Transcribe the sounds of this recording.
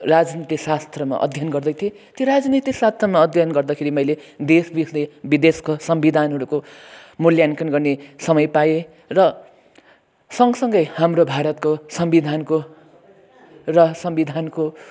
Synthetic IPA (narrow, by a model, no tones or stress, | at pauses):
rad͡znit̪iksast̪ʰrʌma̰ʔʌ̰d̪ʱjʌnɡʌrd̪ʌjt̪ʰie | t̪joɾad͡znit̪isast̪ʰrʌmaʌd̪ʱjʌnɡʌrd̪akʰeɾimʌjled̪esbisnebid̪eskosʌmbid̪ʱanɦʌɾukomuljankʌnɡʌrnesʌmʌjpaje | rʌ | sʌŋsʌŋɡʌjhamrobʱaɾʌt̪̚kosʌmbid̪ʱanko | rʌsʌmbid̪ʱanko